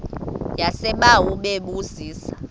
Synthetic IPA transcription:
jasɛɓawuɓeɓuziːsḁ

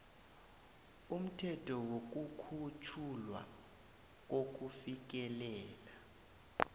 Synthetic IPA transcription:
um̩tʰɛtʰɔwok̬ukʰut͡ʃʰulwa̰ | k̬ok̬ufik̬ɛlɛːla

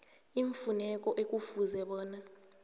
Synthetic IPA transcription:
iɱfunɛk̬ʼɔʔek̬ʼufuzɛɓɔːna

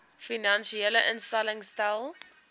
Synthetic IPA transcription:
finãnʃiɛləʔənstɛlɪŋstaɪlˠ

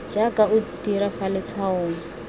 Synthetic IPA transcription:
d͡ʒakautiɾafalɪt͡sʰaʊːna

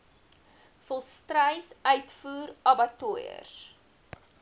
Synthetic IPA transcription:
fɔlˠstrəjsœɥtfuːɾɐbɐtuəjə̰s

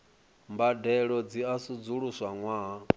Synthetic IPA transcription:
mbadɛɺɔd͡ziasud͡zuɺuswaŋwa

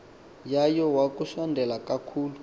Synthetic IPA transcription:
jajɔwakuʃandʱɛlakakʰuːlu

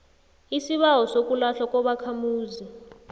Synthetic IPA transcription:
isiɓaɦɔsok̬ʼulaɬwakʼɔɓakʰamuːzi

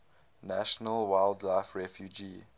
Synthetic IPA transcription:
naʃɔnəlwaɪldlaɪfɹɛfjud͡ʒi

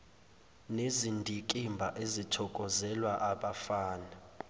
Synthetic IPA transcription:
nezindʱikʼimbʱa̰ʔezitʰɔkʼɔzɛlwaʔaɓafaːna

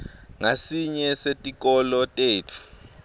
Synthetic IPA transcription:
ŋasiɲɛsetʼik̬ʼɔlɔtʼeːtʰu̥

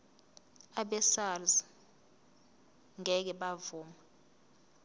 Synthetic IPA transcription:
aɓɛsalz | ŋɛk̬ɛɓavuːma

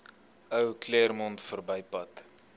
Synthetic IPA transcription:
əwklermɔntfərbəjpɐt

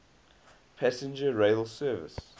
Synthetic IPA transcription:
pʰæsɪ̃nd͡ʒəɹeɪlsɜːvɪ̰s

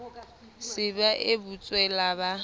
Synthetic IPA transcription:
sɪbaʔɪbut͡sʼwɛlaba

